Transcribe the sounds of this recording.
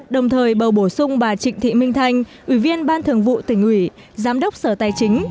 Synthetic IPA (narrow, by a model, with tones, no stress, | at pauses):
ɗə˨˩wŋ͡mt̪ʰəː˨˩jɓə˨˩wɓo˧˩sʊ˧ŋ͡mvaː˨˩t͡ɕï˧˨ŋ̟t̪ʰḭ˧˨mï˧ŋ̟t̪ʰa˧jŋ̟ʔwi˧˩vi˧ənɓaː˧nt̪ʰɨ˨˩əŋvṵ˧˨t̪ï˧˩ŋ̟ʔwi˧˩ | zaː˨˦mɗə˦˥wk͡p̚səː˧˩t̪aː˨˩jt͡ɕï˨˦ŋ̟